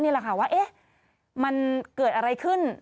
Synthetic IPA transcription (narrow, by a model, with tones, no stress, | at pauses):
niː˥˩lɛ˨˩kʰa˥˩waː˥˩ʔe˦˥ | ma˧nkɤː˨˩t̪̚ʔa˧ɾa˧jkʰɯ˥˩n